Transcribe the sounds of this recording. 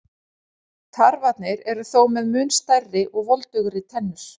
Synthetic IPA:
t̪ʰaɾvat̪nɪɾɛɾʏθowmɛðmʏːnst̪ajrːɪʔɔɣvɔlt̪ʏɣɾɪt̪ʰɛnːʏɾ̥

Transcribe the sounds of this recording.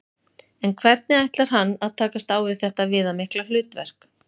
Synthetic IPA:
ɛnkʰvɛɾt̪̚nɪajht̪laɾ̥anːaðt̪ʰaːkast̪aːwvɪðθɛht̪avɪːðamɪhklalʏːt̪vɛ̰r̥k

